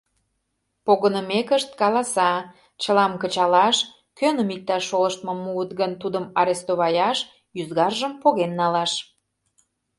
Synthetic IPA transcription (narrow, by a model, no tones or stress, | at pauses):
poɣənəmekəʃt̪̚kɑlɑsɑ | t͡ɕəlɑmkət͡ɕɑlɑʃ | kønəmik̚t̪ɑʃːoləʃt̪mɤ̆muət̪ɣənt̪ud̪əmɑɾest̪oβɑjɑʃ | jyzɣɑrʒəmpoɣenːɑlɑʃ